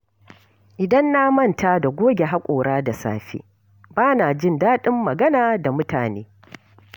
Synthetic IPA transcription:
ʔɪ˨dɐ˦nːa˦mɐ˦˨ntaː˦da˨ɡʷoː˦ɡʲe˨ɦa˦kʷʼoː˨ɽaː˦da˨sa̰ː˨ɸḛː˦ | baː˦na˨d͡ʒɪ˦ndaː˦ɗɪ˦mːɐ˨ɡɐ˦naː˨da˨mʊ˦taː˨neː˦

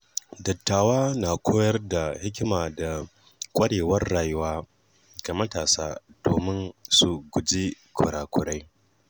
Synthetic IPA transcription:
dɐ˨tːaː˨waː˦na˨kʷʰoː˦jɐ˦rda˨hɪ˦kʲɪ˦maː˨da˨ | kʷʼɐ˦ɽeː˨wɐ˦rːaː˨jʊ˦waː˦ | ɡ̥a˨mɐ˦taː˨saː˦d̥oː˨mɪ˦nsu˨ɡʷʊ˨d͡ʒi˦kʰʊ̰˨ɽaː˨kʷʰʊ˨ɽa˦j

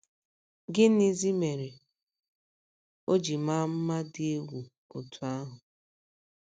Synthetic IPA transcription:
ɡɪ˦n˦i˦zi˦me˨ɾe˨ | o˦d͡ʒi˨ma˦m̩˦ma˦dɪ˦e˦ɡʷu˨ | o˨tʰu˨a˦ɦʊ˨

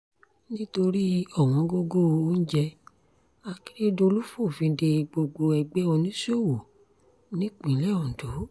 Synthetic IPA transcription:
nĩ˦to˧ɾi˦ɔ˦˨w̃ɔ̃˨˦ɡo˦ɡo˦˨˧o˦n̩˦d͡ʒɛ˧ | a˧ki̥˦ɾe˦do˧lu˦fo˦˨fĩ˧˨de˧ɡ͡bo˧ɡ͡bo˧ɛ˧ɡ͡bɛ˦ɔ˧nĩ˦so˦˨wo˨ | nĩ˦k͡pĩ˨˦lɛ˦ɔ˨do˨˦

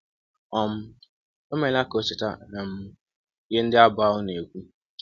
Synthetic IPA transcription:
ɔ˦m̩˦ | o˦me˨la˦ko˦t͡ʃɪ˨ta̰˦na˨m̩˦ | je˦n̩˦dɪ˦a˦ba˦ʊ˦ne˨kʷu˦

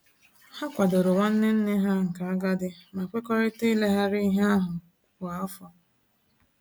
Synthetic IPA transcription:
ha˦kʷa˨dʊ˨ɾʊ˨wʷa˦n̩˦nɪ˦n̩˦nɪ˦ɦa˦ŋ̩˨ka˨a˦ɡa˦dɪ˦ma˨kʷe˦kɔ˦ɾɪ˦te˦le˦ɦa˦ɾi˦ɦa˦a˦ɦʊ˨ | a˨ɔ˦fɔ˨

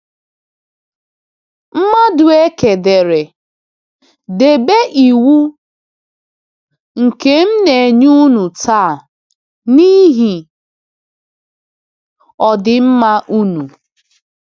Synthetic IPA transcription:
m̩˦ma˦dʊ˨e˦ke˨de˨ɾe˨ | de˨be˦ʔi˨wu˦ | ŋ̩˨ke˦m̩˦ne˨ɲu˦nu˨tʰaː˦˨ | ni˦ɦi˨ | ɔ˨dɪ˨m̩˦ma˦ʔu˦nu˨

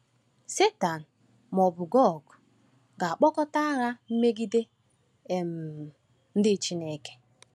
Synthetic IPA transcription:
se˦ta˨n̩˨ | m˨ɔ˨bʊ˨ɡɔ˦ɡʊ˨ | ɡa˨a˨k͡pɔ˦kɔ˦ta˦a˦ɾa˦m̩˦me˦ɡi˦de˦ | e˨m̩˨ | n̩˦dɪ˦˨t͡ʃi˦ne˨ke̥˨

